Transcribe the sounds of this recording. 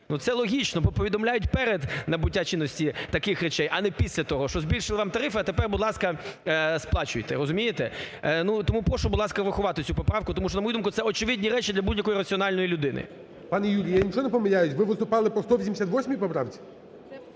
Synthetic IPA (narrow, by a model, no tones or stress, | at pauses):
nut̪sɛlˠɔɦʲit͡ʃnɔpɔpɔʋʲid̪ɔmlʲajʊtʲpɛɾed̪nɐbʊt̚ʲːat͡ʃɪnːɔsʲtʲit̪ɐkɪxret͡ʃɛjʔɐnɛpʲisʲlʲɐt̪ɔɦɔʃt͡ʃɔzʲbʲilʲʃɪlˠɪʋɑmt̪ɐɾɪfɪɐt̪epɛrbʊd̪lˠɑskɐsplˠɑt͡ʃʊjt̪ɛɾɔzʊmʲijet̪ɛnut̪ɔmupɾɔʃɔbʊd̪lˠɑskɐʋɪxʊʋɑt̪ɪt͡sʲupɔpɾɑwkʊt̪ɔmuʃt͡ʃɔnɐmɔjud̪umkʊt̪sɛɔt͡ʃɪʋɪdʲnʲiɾɛt͡ʃid̪lʲɐbudʲjɐkɔjiɾɐt͡sʲiɔnɑlʲnɔjilʲʊd̪ɪnɪ̰ | pɑnɛjulʲijjanʲit͡ʃɔɔnɛpɔmɪlʲajʊsʲʋɪʋɪst̪ʊpɑlˠɪpɾɔst̪ɔʋʲis̬ʲmd̪ʲesʲat̪ʋɔsʲmʲijipɔpɾɑwt͡sʲi̥